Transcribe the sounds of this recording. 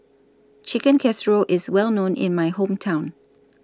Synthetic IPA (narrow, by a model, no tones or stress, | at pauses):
t͡ʃʰɪkə̃nkʰɛsɹoʔɪzwɛlˠnõːnʔɪ̰̃nmaɪhõmtʰãʊ̃n